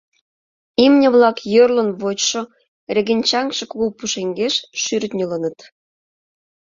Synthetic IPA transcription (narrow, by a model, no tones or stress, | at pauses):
imnʲə̆βlɑkjørlə̆nβot͡ɕʃo | rʲeɣenʲt͡ɕɑŋkʃĕkuɣopuʃeŋɡeʃʃyrt̪nʲølənə̆t̪